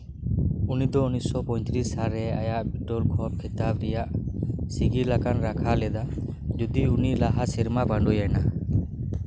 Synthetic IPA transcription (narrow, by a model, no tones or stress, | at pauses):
unid̪ɔunisɔpɔj̃t̪ʰɾishaɾɛajaʔbiʈɔlkʰɔp̚kʰit̪abɾɛjaʔsiɡilakanɾakʰalɛd̪a | d͡ʒud̪iunilaɦasɛɾmabaɳɖʱujajna